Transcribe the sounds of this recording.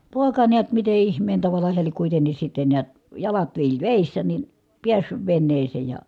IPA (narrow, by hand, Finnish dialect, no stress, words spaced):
poˑekɑ neæt mite ihmˑeːn tɑʋɑlɑ heæ liek kuitenis sitːe niæt jɑlɑt ʋiːltʲ ʋeˑisːæ nin̞ piæsːyʋ ʋenːeːseː jɑ